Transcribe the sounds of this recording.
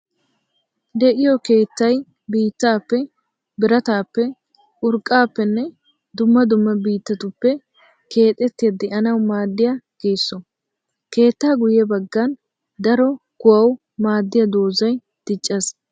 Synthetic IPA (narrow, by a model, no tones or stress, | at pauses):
d̪ɛʔɪjɔke̞ːt̪ːɐj | biːt̪ːaːpːɛ | bɪɾɐt̪aːpːɛ | ʔʊɾkʼːaːpːɛnːɛ | d̪ʊmːɐd̪ʊmːɐbiːt̪ːɐt̪ʊpːɛ | ke̞ːt̪ʼːɛt̪ːɪjɐd̪ɪʔɐnɐwmaːd̪ːɪjaɡ̥eːsːɔ | ke̞ːt̪ːaːɡʊjɛbɐɡːɐn | d̪ɐɾɔ | kʊwɐw | maːd̪ːɪjɐd̪oːzɐj | d̪̥ɪt͡ʃʼːɐs